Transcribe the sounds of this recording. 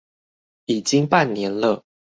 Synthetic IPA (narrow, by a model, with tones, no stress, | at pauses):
i˨˩t͡ɕi˦ŋpa˥˨nːjɛ˧˦nlə˧˨